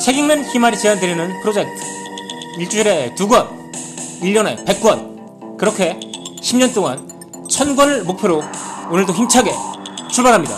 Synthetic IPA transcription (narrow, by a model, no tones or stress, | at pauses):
t͡ɕʰe̞ɡiŋnençimaɾit͡ɕeandɯɾinɯnpʰɯɾod͡ʑe̞k̚tʰɯiɭt͡ɕ͈ud͡ʑuɾe̞tuɡwʌn | iʎːʌne̞̰pe̞k̚k͈wʌn | kɯɾʌkʰe̞ɕʰimɲʌnt͈oŋan | t͡ɕʰʌnɡwʌnɯɭmok̚pʰjoɾoonɯɭdoçimt͡ɕʰaɡe̞t͡ɕʰuɭbaɾɦamɲida̰